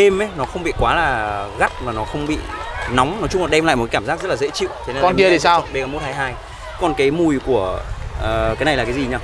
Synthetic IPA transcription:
e˧mʔə˨˦jnɔ˨˦xə˧wŋ͡mɓḭ˧˨kwaː˨˦laː˨˩ɣa˦˥t̚maː˨˩nɔ˨˦xə˧wŋ͡mɓḭ˧˨nɔ˨˦wŋ͡mnɔ˨˦t͡ɕʊ˧ŋ͡mlɗɛ˧mla̰˧˨jm̚˨˩ka˨˦aː˧˩mzaː˦˥k̚zə˦˥t̚laː˨˩ḛ˧˥t͡ɕḭ˧˨wt͡ɕe˧nː˧˨kɔ˧˨n˨ki˧əi˨˩saː˧wɓe˧˨kaː˨˩mo˦˥t̚haː˧jɦaː˧j | kɔ˨˩nkaː˨˦jmu˧˩jku˧˩əː˨˩ | kaː˨˦jna˨˩jlːkaː˨˦zi˨˩ɲaː˧˩

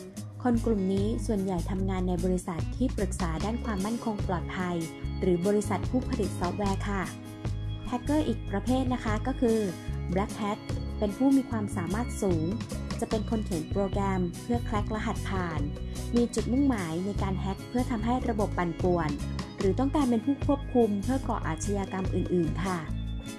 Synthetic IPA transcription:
kʰo˧nklu˨˩mniː˦˥su˨˩ənja˨˩jt̪ʰa˧mŋaː˧nːa˧jbɔː˧ɾi˧˦˥sa˨˩t̪ʰːiː˥˩pɾɯ˨˩k̚saː˩˦daː˥˩nkʰwaː˧mːa˥˩nkʰo˧ŋplɔː˨˩t̪̚pʰa˧jɾɯː˩˦bɔː˧ɾi˦˥sa˨˩t̪̚pʰuː˥˩pʰa˧li˨˩t̪̚sɔː˦˥t̪̚wɛː˧˥kʰa˥˩ | hɛ˦˥kːɤː˥˩ʔiː˨˩k̚pɾa˧pʰeː˥˩t̪̚na˦˥kʰa˦˥kɔː˥˩kʰɯː˧blɛ˦˥k̚ʰːɛ˦˥t̪̚pe˧npʰuː˥˩miː˧kʰwaː˧msaː˨˩˦maː˥˩t̪̚suː˩˦ŋt͡ɕa˨˩pe˧nkʰo˧nkʰe˨˩˦npɾoː˧kɾɛː˧mpʰɯ˥˩ɐkʰlɛ˦˥k̚la˦˥ɦa˨˩t̪̚pʰaː˨˩nmiː˧t͡ɕu˨˩t̪̚mu˥˩ŋmaː˩˦jna˧jkaː˧nɦɛ˦˥k̚pʰɯ˥˩ɐt̪ʰa˧mɦa˥˩jɾa˧bo˨˩pːa˨˩npu˨˩ənɾɯː˨˩˦t̪ɔ˥˩ŋkaː˧npe˧npʰuː˥˩kʰu˥˩əp̚kʰu˧mpʰɯ˥˩ɐkɔ̰ː˨˩ʔa̰ː˨˩t̪̚t͡ɕʰa˧jaː˧ka˧mʔɯː˨˩nʔɯː˨˩nkʰa˥˩

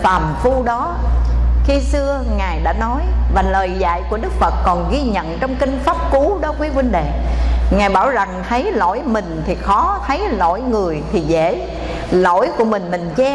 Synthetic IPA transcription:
faː˨˩mfu˧ɗɔ˨˦ | xi˧sɨ˧əŋaː˨˩jɗa̰ː˧˥nɔ˨˦jvaː˨˩ləː˨˩jza̰ː˧˨jku˧˩əɗɨ˦˥k̚fə˨˩t̚kɔ˨˩nɣi˧ɲə̰˧˨nt͡ɕɔ˧wŋ͡mkï˧ŋ̟faː˦˥p̚ku˨˦ɗɔ˨˦kwi˨˦kwï˧ŋɗe˧˨ŋaː˨˩jɓaː˧˩wza˨˩ŋt̪ʰə˨˦jlo̰˧˥jmï˨˩ŋ̟t̪ʰi˨˩xɔ˨˦t̪ʰə˨˦jlo̰˧˥˨jŋɨ˨˩əjt̪ʰi˨˩zḛ˧˥˨ | lo̰˧˥jku˧˩əmï˨˩ŋ̟mï˨˩ŋ̟t͡ɕɛ˧

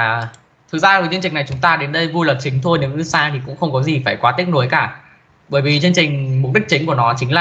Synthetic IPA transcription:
aː˨˩ | t̪ʰɨ˨˩zaː˧əː˨˩t͡ɕɨ˧nt͡ɕï˨˩ŋ̟na˨˩jt͡ɕʊ˨˦ŋ͡mt̪aː˧ɗe˨˦nɗə˧jvu˧ləː˨˩p̚t͡ɕï˨˦ŋ̟t̪ʰo˧jnɨ̰˧˥ŋɨ˨˦saː˧t̪ʰi˨˩kʊ̰˧˥ŋ͡mxə˧wŋ͡mkɔ˨˦zi˨˩faː˧˩jkwaː˨˦t̪i˦˥ət̚no˨˦jkaː˧˩ | ɓəː˧˩jvi˨˩t͡ɕe˧nt͡ɕï˨˩ŋ̟mʊ˨˩k͡p̚ɗi˦˥k̚t͡ɕï˨˦ŋku˧˩ənɔ˨˦t͡ɕï˨˦ŋ̟laː˨˩

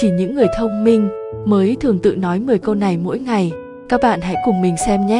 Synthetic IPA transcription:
t͡ɕi˧˩ɲɨ̰˧˥ŋːɨ˨˩əjt̪ʰə˧wŋ͡mmï˧ŋ̟məː˨˦jt̪ʰɨ˨˩əŋt̪ɨ̰˧˨nɔ˨˦jmɨ˨˩əjkə˧wna˨˩jmo̰˧˥jŋa˨˩j | kaː˦˥k̚ɓa̰ː˧˨nɦa̰˧˥jkʊ˨˩ŋ͡mmï˨˩ŋ̟sɛ˧mɲɛ˦˥

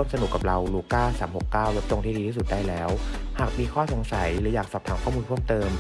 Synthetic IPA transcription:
u˥˩əmsa˧nu˨˩kːa˨˩p̚ɾa˧wluː˧kaː˥˩saː˩˦mho˨˩kːaː˥˩wle˦˥p̚t͡ɕ̪o˧ŋt̪ʰiː˥˩diː˧iː˥˩su˨˩t̪̚daː˥˩jlɛː˦˥whaː˨˩k̚miː˧kʰɔː˥˩so˩˦ŋsa˩˦jɾɯː˩˦jaː˨˩k̚sɔː˨˩p̚t̪ʰaː˩˦ŋkʰɔː˥˩muː˧npʰəmt̪ɤː˧m

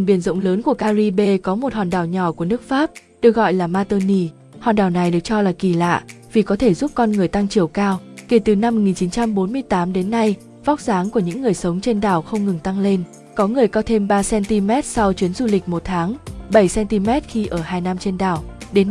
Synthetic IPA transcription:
ɓi˧˩ənzə̰˧˨wŋ͡mləː˨˦nku˧˩əkaː˧zi˧ɓe˧kɔ˨˦mo˨˩t̚hɔː˨˩nɗaː˨˩wɲɔ˧˩ku˧˩ənɨ˦˥ək̚faː˦˥p̚ | ɗɨ˨˩ək̚ɣɔ̰˧˨jlaː˨˩maː˧t̪əː˧ni˧ | hɔ̰ː˨˩nɗaː˨˩wna˨˩jɗɨ˨˩ək̚t͡ɕɔ˧laː˨˩ki˧˩la̰ː˧˨ | vi˨˩kɔ˨˦t̪ʰe˧˩zu˦˥p̚kɔ˧nŋɨ˨˩əjt̪a˧ŋt͡ɕi˨˩əwkaː˧wke˧˩t̪ɨ˨˩na˧m̚ː˨˩ŋi˨˩nt͡ɕi˨˦nt͡ɕa˧mɓo˨˦nmɨ˧əjt̪aː˨˦mɗe˨˦nːa˧j | va˦˥k͡p̚zaː˨˦ŋku˧˩əɲɨ̰˧˥ŋːɨ˨˩əjsə˨˦wŋ͡mt͡ɕe˧nɗaː˨˩wxə˧wŋ͡mŋɨ˨˩ŋt̪a˧ŋle˧n | kɔ˨˦ŋɨ˨˩əjkɔ˧t̪ʰe˧mɓaː˧sɛ˧nt̪i˧mɛ˦˥t̚sa˧wt͡ɕwi˨˦ənzu˧˩lï˨˩k̟̚mo˨˩t̚t̪ʰaː˨˦ŋɓə˧˩jsɛ˧nt̪i˧mɛ˦˥t̚xi˧ʔəː˧˩haː˧jna˧mt͡ɕe˧nɗaː˨˩wɗe˨˦n

